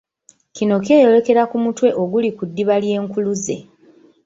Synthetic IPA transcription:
kino̞k̬e̞ːjo̞le̞ke̞ɾakumutwe̞ʔo̞ɡulikudːiβalje̞ːŋkuluze̞̰

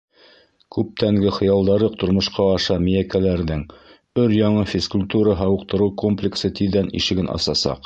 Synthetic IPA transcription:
kʉp̚t̪æŋɡɘχɤ̆jɑlˠd̪ɑɾɤq̚t̪ŏɾmŏʃqɑːʃɑmijækælæɾðɘŋ | ɵɾjɑɴɤfʲɪskʊlʲt̪uɾəɦɑwɤ̆q̚t̪ɤ̆ɾɤwkomplʲɪksɤt̪iðænḭʃɘ̆ɡɘnʔɑ̰sɑsɑ̰q

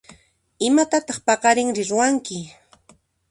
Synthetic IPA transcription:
ɪmat̪at̪ɑχpɑqɑɾɪŋɾɪɾʊwaŋkɪ

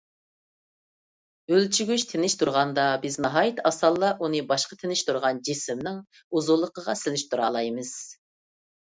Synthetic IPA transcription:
ølt͡ʃʰyɡʲyʃt̪ʰenɪʃt̪ʰuɾʁɑnd̪ɑbɪznɑɦɑːjit̪ʰɑsɑlˠːɑʔunɨbɑʃqɑt̪ʰɪnɪʃt̪ʰuɾʁɑnd͡ʒisɪmnɪŋ | uzulˠːəqəʁɑsɪlɪʃt̪ʰuɾɑːlˠɑjmɨz̥

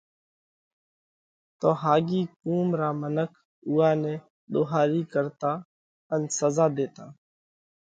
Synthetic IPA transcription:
t̪oːɦaːɡiːkuːmɾaːmənəkʰ | ʊːaːnɛ̃ː | ɗ̪oːɦaːɾiːkəɾt̪aː | ənsəzaːd̪eːt̪aː

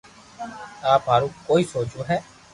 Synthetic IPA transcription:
aːpɦaːɾũːkoːiːsoːt͡ʃõːɦɛː

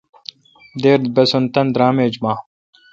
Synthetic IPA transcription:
d̪eːɾd̪bɐsont̪ɐnd̪ɾaːmeːd͡ʑmaː

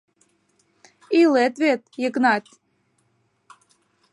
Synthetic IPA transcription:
ilet̪vet̪̚jəknɑt̪ʲ

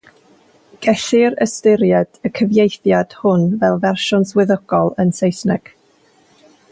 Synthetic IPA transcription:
ɡ̥ɛʃɪɾə̰stɪɾjɛd̥əkʰəvjejθjad̥hʊnvɛlˠvɛrʃɔnswɪðəɡ̥ɔlˠənsejsnɛɡ̥

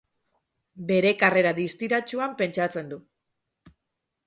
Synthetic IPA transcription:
be̞ɾe̞kare̞ɾaðist̪iɾat͡ʃuampe̞nt͡ʃat͡se̞nd̪u

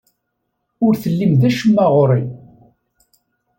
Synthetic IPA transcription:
ʊɾθəlːimðæʃəmːæʁɾˤi

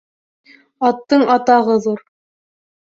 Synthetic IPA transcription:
ɑt̪ːɤɴɑt̪ɑʁɤðuɾ

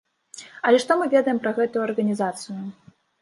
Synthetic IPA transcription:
ɐlʲɛʂt̪ɔmɨvʲɛd̪ɐjɛmpɾɐɣɛt̪ujuɐrɣɐnʲizat̪sɨju

